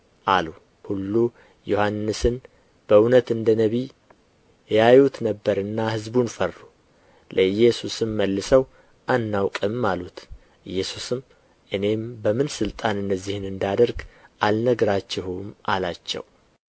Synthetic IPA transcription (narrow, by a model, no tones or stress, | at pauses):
ʔalu | hulːu | johanːɨsɨn | b̥əwnət̪ɨnd̪ənəβi | jajut̪nəbːəɾɨnːahɨzbunfərːu | lʔəɨjɛsusɨmːəlːɨsəw | ʔanːawkʼɨmːalut̪ | ʔɨjːɛsusɨm | ʔɨne̞mbəmɨnsɨlt̪ʼanɨnːəzːihɨnɨnd̪ad̪əɾɡʔalnəɡɾat͡ʃːɛhumʔalat͡ʃːɛ̰w